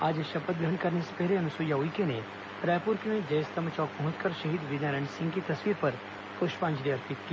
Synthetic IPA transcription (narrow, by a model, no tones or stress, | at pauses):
aːd͡ʒeʃɐpət̪̚ɡɾɐ̃ɳɖkɐɾnese̥pɛɦleɐnʊsuːjaɦʊikenẽ | pɾɛːpuːɾkemẽd͡ʒɐjst̪ɐmət͡ʃɔːk̚pɐɦʊ̃t͡ʃkɐɾʃɐɦiːd̪ʋɪd̪aɾə̃ɳsɪ̃ŋɡkit̪ɐswiːɾpɐɾ | pʊʃpãːnd͡ʒɾiɐɾpʰit̪̚kiː